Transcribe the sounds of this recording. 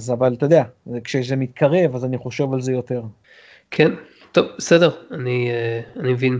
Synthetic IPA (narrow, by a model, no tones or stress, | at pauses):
azavalt̪od̪eakʃejeʃ̬zemit̪̚kʰaʁe̞vazaniχo̞ʃe̞valzejo̞t̪e̞ʁ | kʰen | t̪ovbesedeʁanianimevin